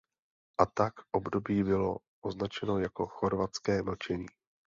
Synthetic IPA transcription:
ʔat̪akʔo̞bdo̞biːbɪlo̞ | ʔoznat͡ʃɛno̞jako̞xo̞ɾvat͡skɛːml̩t͡ʃɛɲiː

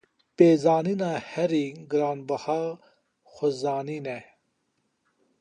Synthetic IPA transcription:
peːzɑːniːnɑːhɛɾiɡɨɾɑːnbɐhɑː | xozɑːniːnɛ

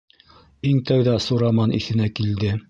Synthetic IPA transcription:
iŋt̪æwðɑsuɾɑmɑnʔḭθɘ̆nækild̪ɘ

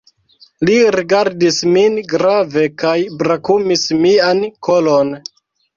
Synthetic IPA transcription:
liɾiɡaɾdisminɡɾave̞kajbɾakumismiankʰolon

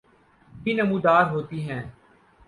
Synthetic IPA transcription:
binəmũːd̪aːɾɦoːt̪iːɦɛ̃ː

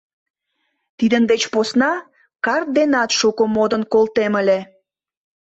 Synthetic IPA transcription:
t̪id̪ənd̪et͡ɕposnɑ | kɑrt̪̚d̪enɑt̪ʃukomod̪ənkolt̪eməlʲe

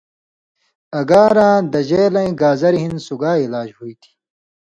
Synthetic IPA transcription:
ɐɡaːɾãːd̪ɐʑeːlɐĩɡaːzɐɾiɦinsuɡaːilaːd͡ʑhuit̪ʰi̥

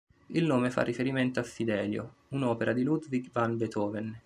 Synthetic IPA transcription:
ilnoːmefa̰rːifeɾiment̪oafːid̪ɛːljounɔːpeɾʔad̪ilud̪viɡvanbet̪ɔːven

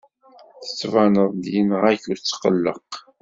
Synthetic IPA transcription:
θə̥t͡sːvanəðˤd̪jənəʁæçuɾt͡sːqə̰lːə̰q

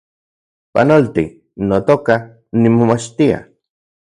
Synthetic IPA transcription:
pa̰nolt̪i | not̪oka | nimomat͡ʃt̪ia̰

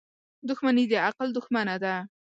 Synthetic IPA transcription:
d̪ʊxmanid̪əaqld̪ʊxmanad̪a

